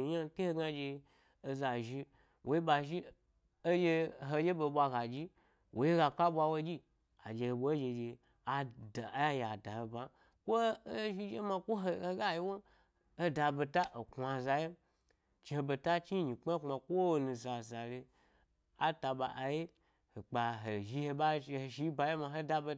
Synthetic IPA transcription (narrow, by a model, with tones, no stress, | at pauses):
ja˦˧kʲe˦he˧ɡa˧d͡ʒe˧ | o˧za˨ʒi˧ | wʔo˨˦ji˦ɓa˧ʒi˦ | o˦je˧ɦo˧je˦bo˧ɓʷa˧ɡa˨d͡ʒi˦ | wʔo˨ji˦ɡa˧ka˦ɓʷa˧wo˧d͡ʒi˦ | a̰˨d͡ʒe˧ho˨bʷo˨˦d͡ʒe˧d͡ʒe˧ | a˨da˨˦ja˦ja˨da˨o˨ba˨ | kʷo˦ʒi˦d͡ʒe˦ma˧kʷo˦ɦɡa˦ji˦wo˦ | o˦da˧bo˧ta˦ʔo˨kʷa˧za˧je˦ | t͡ʃi˨˧he˧bo˧ta˦t͡ʃi˦ɲi˨k͡pa˦k͡pa˨kʷo˦˨nũ˧za˨za˨le˧ | a˦ta˧ɓa˧ʔa˨je˦ | ho˨k͡pa˨ɦo˨ʒi˧he˧ɓa˦˧ho˨ʃi˦ba˧je˦ma˧ɦo˦da˧bo˧